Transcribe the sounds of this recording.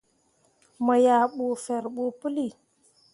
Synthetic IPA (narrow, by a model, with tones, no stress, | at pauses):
mə˨ja˨ɓo˨fe˨ɾɓo˨pə˦li˨